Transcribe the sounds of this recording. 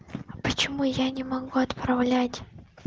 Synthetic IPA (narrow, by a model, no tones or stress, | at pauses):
pət͡ɕɪmujanʲɪmaɡuɐt̪pravlʲatʲ